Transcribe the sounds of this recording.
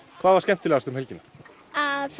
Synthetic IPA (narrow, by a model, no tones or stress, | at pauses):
kʰvaːðvaɾscɛm̥t̪ʏlɛɣast̪ʏmɦɛlcɪnːa | f